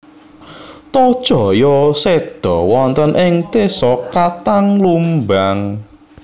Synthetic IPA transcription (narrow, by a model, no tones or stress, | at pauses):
t̪ɔd̥ʒ̥ɔ̤jɔsed̪̥ɔwɔnt̪ənʔɪŋt̪esɔkat̪aŋlumbaŋ